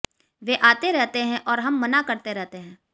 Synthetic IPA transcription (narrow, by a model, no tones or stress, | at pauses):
ʋeʔaːt̪eɾɛɦt̪eɦɛ̃ʔɔːɾɦɐmːɐnakɐɾt̪eɾɛɦt̪eɦɛ̃ː